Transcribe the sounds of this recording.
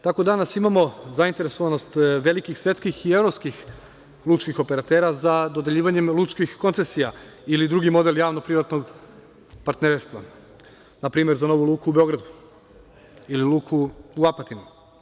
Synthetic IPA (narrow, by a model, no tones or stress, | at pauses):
t̪ako̞d̪anasimamo̞zaint̪eɾesoʋano̞st̪ʋe̞likixsʋe̞t̪skixie̞ʋɾopskix | lˠut͡ʃkixo̞pe̞ɾat̪e̞ːɾazad̪o̞d̪e̞ʎiːʋaɲe̞mlˠut͡ʃkixko̞nt̪sesijailid̪ɾuɡimo̞d̪e̞ljaːʋno̞pɾiʋat̪no̞ɡ | paɾt̪neɾst̪ʋa | napɾiːme̞ɾzano̞ʋulˠuːkuːbeo̞ɡɾad̪u | ililˠuːkʰuuapat̪inu